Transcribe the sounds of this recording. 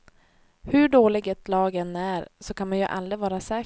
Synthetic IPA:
hɵɖoːlɪɡɛt̪lɑːɡɛnæɾsɔkʰanmanjɵ̰ʔa̰lɾɪvɑːɾasɛː

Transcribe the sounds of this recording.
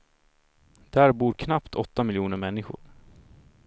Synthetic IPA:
d̪̥æːɾbuːɾkʰnapt̪ʰɔt̪ːamɪljuːnəɾmɛnːɪɧʊ̰ɾ

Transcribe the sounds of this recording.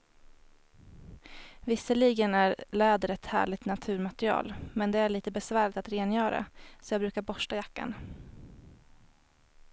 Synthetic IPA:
vɪsəliːɡənæɾlɛːd̪əɾɛt̪hæ̰ːɭɪɡt̪nat̪ʰʉ̟ːɾmat̪ɾɪɑ̰ːlmɛnd̪ɛæɭiːt̪əbɛsvæːɭɪt̪at̪ɾeːnjœːɾa̰sɔjɑːbɾʉ̟ːkaɾbɔʂʈajakːa̰n

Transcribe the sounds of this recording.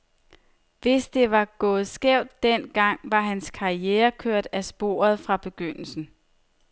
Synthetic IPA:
ʋe̝sd̥e̝ʋɑ̈ɡ̥ɔ̽ːð̞̩ˠsɡ̥ɛʊ̰d̥ːen̰ɡ̥ɑ̈ŋ̰ʋɑ̈ɦænskʰɑ̈ieːɐkʰøɐ̰d̥æsb̥o̝̰ːɐð̞̩ˠfʁɑ̈b̥e̝ɡ̥øn̰l̩sn̩

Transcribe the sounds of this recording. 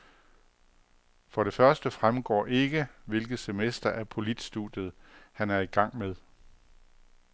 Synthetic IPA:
fɒ̽ɾe̝fɶɐsd̥əfʁamɡ̥ɒ̰ːʔe̝ɡ̥əʋe̝lɡ̥ð̞̩ˠse̝mesd̥ɐʔæɐpʰo̝lid̥sd̥ṵd̥jð̞̩ˠhænæɐiɡ̥ɑ̈ŋ̰meðˠ

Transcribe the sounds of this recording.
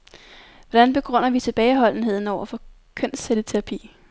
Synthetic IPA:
ʋɒd̥ænb̥e̝ɡ̥ʁœn̰ɐʋit͡sʰe̝b̥ɛːɪɦɒ̽l̰n̩ɦe̝ð̞̰ˠn̩ɒʊ̰ɐfɒ̽ | kʰœn̰st͡sʰeɾ̥ət͡sʰe̝ʁɑ̈pʰḭː

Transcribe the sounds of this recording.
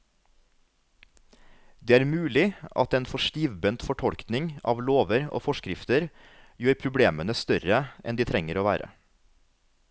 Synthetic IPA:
d̪eːæːɾmʉːlɪɑ̰t̪eːnfɔʃʈiːʋbənt̪fɔʈʰɔlknɪŋɑ̰ːʋloːʋəɾo̰ːfɔʃkɾɪft̪əɾ | jøːɾpʰɾʊbleːmənəst̪œɾəʔɛ̰nd̪iːt̪ʰɾɛŋəɾoːʋæ̰ːɾə̰

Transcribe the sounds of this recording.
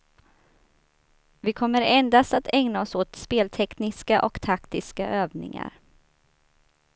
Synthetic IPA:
vɪkʰɔmːəɾɛnd̪ast̪at̪ʰɛŋnaɔsoːt̪speːlt̪ʰɛknɪskaʔɔkt̪ʰakt̪ɪskaʔøːvnɪ̰ŋa̰ɾ

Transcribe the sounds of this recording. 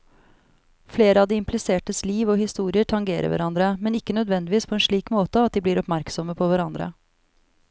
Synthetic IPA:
fleːɾəɑʋd̪iːɪmpʰlɪseːʈəsliːʋɔːhɪst̪uːɾɪəʈʰɑŋɡeːɾə̰ʋæ̰ɾɑnd̪ɾəmɛnɪkːənœd̪ʋɛnd̪ɪʋiːspʰɔɛːnʂɭiːkmoːt̪əɑt̪̚d̪iːbliːɾɔpmæɾksɔməpʰɔʋæɾɑnd̪ɾə̰

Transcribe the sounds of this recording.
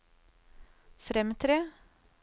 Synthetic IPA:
fɾɛmt̪ʰɾeː

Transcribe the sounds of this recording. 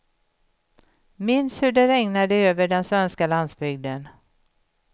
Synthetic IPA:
mɪnshɵɖɛɾɛŋnad̪əøːvəɖɛnsvɛnskaland̪sbʏɡ̚d̪ən

